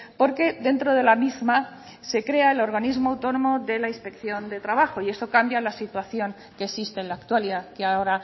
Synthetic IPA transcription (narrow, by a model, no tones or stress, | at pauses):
po̞ɾke̞ðe̞nt̪ɾoð̞e̞lamizma | se̞kɾe̞aelo̞ɾɣanizmoawt̪o̞nõ̞mo̞ðe̞lainspe̞kθjo̞nd̪e̞t̪ɾaβaxo̞ie̞sto̞kambjalasit̪waθjo̞ŋ | kesist̪enlaːkt̪waliðakeao̞ɾa